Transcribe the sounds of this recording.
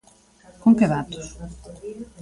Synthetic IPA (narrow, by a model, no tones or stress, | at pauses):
koŋkeðat̪ʊ̥s